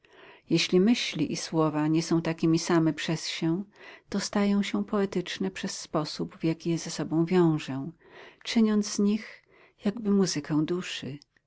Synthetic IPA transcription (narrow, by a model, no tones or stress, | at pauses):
jeɕlʲimɘɕlʲiʔiswɔvaɲɛsɔ̃w̃t̪akʲimʲisamɛpʂɛsɕɛt̪ɔst̪ajɔ̃w̃ɕɛ̃pɔɛt̪ɘt͡ʂnɛpʂɛsːpɔsubvjakʲijɛzasɔbɔ̃w̃vʲjɔ̃w̃ʐɛ̃ | t͡ʂɘɲɔnd̪zz̥ɲix | jaɡbɘmuzɨkɛw̃d̪uʂɨ